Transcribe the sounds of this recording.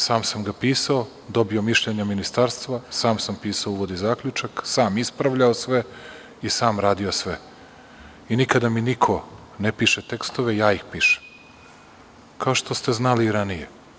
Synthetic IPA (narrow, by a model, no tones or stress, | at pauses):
saːmsamɡapiːsao̞ | d̪o̞bio̞miʃʎeɲaminist̪aːɾst̪ʋasaːmsampiːsaouʋod̪izaːkʎut͡ʃaksaːmispɾaʋʎaosʋe̞ | isaːmɾaːd̪iosʋe | inikad̪aminikʰo̞ | nepiʃet̪e̞kst̪o̞ʋejaːixpiːʃe̥m | kaoʃt̪o̞st̪e̞znaliːɾanije